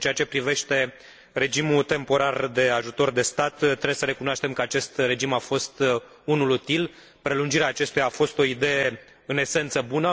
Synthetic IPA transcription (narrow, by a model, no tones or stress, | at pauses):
nt͡ʃe̞at͡ʃe̞pɾive̞ʃt̪e̞ | re̞d͡ʒimut̪e̞mpo̞ɾard̪e̞aʒut̪o̞rd̪e̞st̪at̪t̪ːɾebesəɾe̞kunoaʃt̪e̞mkəat͡ʃe̞st̪re̞d͡ʒimafo̞st̪ | unulut̪il | pɾe̞lund͡ʒiɾeaːt͡ʃe̞st̪ujaːfo̞st̪o̞id̪e̞je | ɨne̞se̞nt̪səbunə